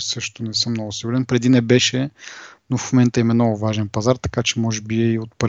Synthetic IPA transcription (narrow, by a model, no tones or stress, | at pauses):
sɤʃt̪ʊnɛsɤmnɔɡʊsiɡʊɾɛnpɾɛd̪inɛbɛʃɛnofmomɛnt̪əimɛnɔɡʊvaʒɛnpɐzaɾt̪ɐ̥kat͡ʃɛmɔʒɛbiiot̪̚pɾ